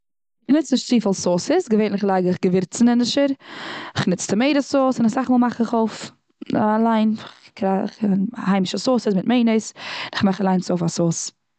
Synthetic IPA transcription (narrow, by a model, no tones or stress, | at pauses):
ɪχnɪt͡snɪʃtt͡siːfəlˠsoːsɪsɡəveɪtnɪχlˠaɪɡəɪχɡəvɪɾt͡snɪnɪʃəɾɪχnɪt͡stəmeɪɾəsoːsɪnasaχmoːlˠmaχɪχoʊf | alˠaɪnχkɾa̰χhaɪmɪʃəsoːsəsmɪtmeɪnəɪsɪnɪχmaχalˠaɪnsoːfasoːs